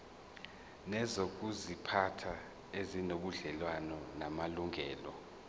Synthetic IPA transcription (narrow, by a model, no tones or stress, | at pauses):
nɛzok̬ʼuzipʰatʰa | ezinoɓuɮɛlwanɔnamaluŋʱɛːlɔ̰